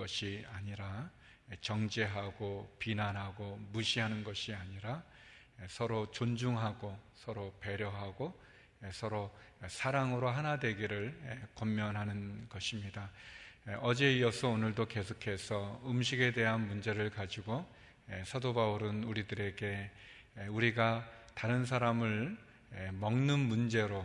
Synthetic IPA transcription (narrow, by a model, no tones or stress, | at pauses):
ʌɕʰiaɲiɾa | t͡ɕʌŋd͡ʑeɦaɡopinanɦaɡomuɕʰiɦanɯnɡʌɕʰiaɲiɾa | esʰʌɾot͡ɕond͡ʑuŋɦaɡosʰʌɾope̞ɾjʌɦaɡo | esʰʌɾosʰaɾaŋɯɾoɦanadwe̞ɡiɾɯɭekʌmːjʌnɦanɯnɡʌɕʰimɲida | ʌd͡ʑe̞iʌsʰʌonɯɭdoke̞sʰokʰe̞sʰʌɯmɕʰiɡe̞de̞ɦanmund͡ʑe̞ɾɯɭkad͡ʑiɡo | esʰadobauɾɯnuɾidɯɾe̞ɡe̞ | uɾiɡataɾɯns̬ʰaɾamɯɭ | emʌŋnɯnmund͡ʑe̞ɾo